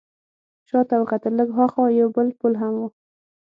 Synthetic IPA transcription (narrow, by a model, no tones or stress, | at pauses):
ʃɑt̪awqat̪ələɡxaxɑjawbəlpulɦamwu